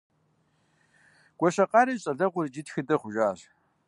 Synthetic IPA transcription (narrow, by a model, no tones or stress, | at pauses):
ɡ̥ʷʼɔɕɐqʼɑːɾɐɕʼɐɮɐʁʷʊrd͡ʒɪtxɨdɐχʷʊʒaːʑ